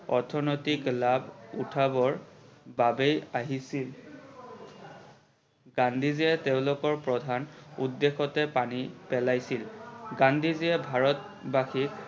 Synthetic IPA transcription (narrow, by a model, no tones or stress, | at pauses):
ɔ̰ɹtʰɔnojtiklabʱṵtʰabɔɹbabejaɦisil | ɡ̥andʱiziɛteʊ̃lʊkɔɹpɹɔdʱanudːexɔtɛpanipɛlajsilɡandʱiziɛbʱaɹɔt̚baxik̚